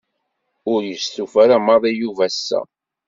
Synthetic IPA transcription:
ʊɾjəsθufæɾamɑðˤijuvæsːæ̰

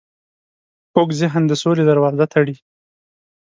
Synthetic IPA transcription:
okzɪɦnd̪əsoled̪aɾwɑzat̪ʰaɽi

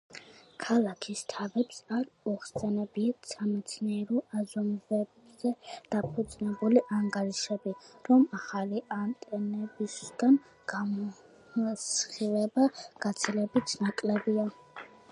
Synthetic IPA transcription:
kʰalˠakʰist̪ʰavɛpsaɾɔχsɛnɛbisamɛt̪sʰnɛːɾɔazɔmvɛbzɛd̪̥apʰud̪zʼnɛbuliʔaŋɡaɾiʃɛbiɾɔmaχaliʔant̪ʼɛnɛbisɡ̥an | ɡ̥amɔ | sχilɛbaɡ̥at̪sʰilɛbit̪ʰnakʼlɛbia

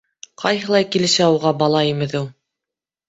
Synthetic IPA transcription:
qʰɑjɦɤ̆lˠɑjkilɘ̆sæuʁɑbɑlˠɑimɘ̆ðɘw

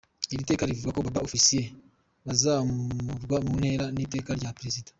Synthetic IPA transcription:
iɾite̞ːkaɾivuɡakoβabaofisije | βazamuuɾɡwamunhe̞ːɾanite̞ːkaɾɟapɾezidḁ

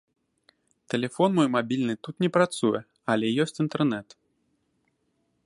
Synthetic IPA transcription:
t̪ɛlʲɛfɔnmɔjmabʲilʲnɨt̪ut̪nʲɛpɾat̪sujɛ | alʲɛjɔsʲt͡sʲint̪ɛrnɛt̪

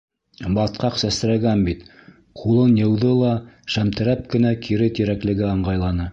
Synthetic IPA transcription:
bɑt̪̚qɑqsæst̪ɘ̆ɾæɡænbit̪ | qʰulˠɤnjɤ̆wðɤlˠɑʃæmt̪ɘ̆ɾæp̚kɘ̆nækʰiɾɘt̪iɾæklɘ̆ɡɘɑɴɢɑjlˠɑnɤ

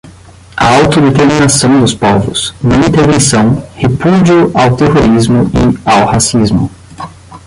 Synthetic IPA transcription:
ɐ̰awt̪ʊd̪et̪eɾminasɐ̃w̃d̪ʊspɔvʊ̰z̥nɐĩnt̪eɾvẽsɐ̃w̃hepud͡ʒiʊʔawt̪eɦoɾizmʊɪ̰awhasizmʊ

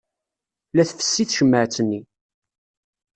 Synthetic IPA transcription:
læθfə̥sːiθʃəmːəʕt͡sːənːi

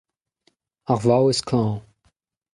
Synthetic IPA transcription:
aχvawɪskʰlɑ̃ː

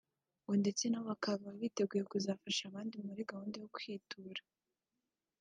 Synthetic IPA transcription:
ŋɡonde̞t͡se̞naβakaβaβite̞ɡujekuzafaʃaβaːndimuɾiɡahuːndejokwiːtʰuɾḁ

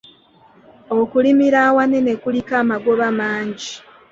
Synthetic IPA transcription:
okulimiɾawanene̞kulikaːmaɡo̞βamaːɲɟi

